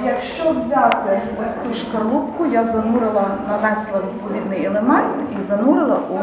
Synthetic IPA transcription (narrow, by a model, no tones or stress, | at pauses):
jɐkʃt͡ʃɔʋzʲawt̪ɪʋɐsʲt͡sʲuʃkɐrlˠupkʊjazɐnuɾɪlˠɐnɐʋɛslˠɐʋʲid̪̚pɔʋʲid̪nɪjɛlˠemɛnt̪izɐnuɾɪlˠɐʔu